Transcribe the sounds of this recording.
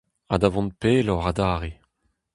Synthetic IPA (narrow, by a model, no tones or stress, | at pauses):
ad̪avɔ̃npeːlɔʁad̪aːʁe